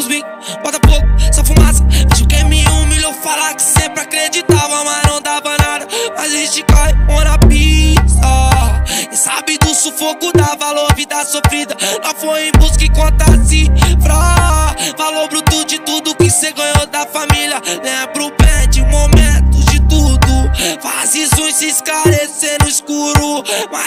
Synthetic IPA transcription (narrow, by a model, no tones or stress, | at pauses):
uzbĩ | bɔt̪ɐpowkʊsɔfumasɐviʃʊkemĩũmiʎofalakɪ̥sẽpɾɪakɾed͡ʒit̪avɐ̃manɐ̃w̃d̪abɐ̃naɾɐmazʒẽt͡ʃɪkɔhɪpõnɐpisɐ | sa̰bɪd̪ʊsofokʊd̪avaloɾvid̪ɐsuɐfid̪ɐlafojẽj̃buskɪkõt̪asɪpɾa | valoɾbɾʊt̪ud͡ʒɪt̪ud̪ʊkɪseɡɐ̃ɲod̪ɐfamiljɐnɛpɾʊpɛd͡ʒɪũmomẽt̪ʊd͡ʒɪt̪ud̪ʊfazisʊ̃ĩsɪsklaɾesẽnʊɪskuɾʊma